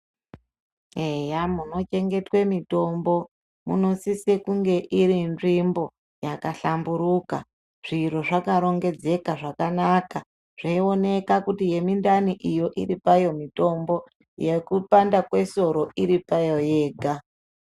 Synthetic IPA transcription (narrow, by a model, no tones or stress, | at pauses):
ejamuno̞t͡ʃe̞ŋɡe̞twe̞mito̞mbo̞ | mṵno̞sisekuŋɡe̞ʔiɾinʐimbo̞ | jakaɬambuɾuka̰ | ʐ̥iɾo̞ʐakaɾo̞ŋɡe̞d͡ze̞kaʐakanaka | ʐ̥aio̞ne̞kakutije̞mindaniʔijo̞ʔiripajo̞mito̞mbo̞ | je̞kupandakwe̞so̞ɾo̞iɾipajo̞je̞ːɡʱa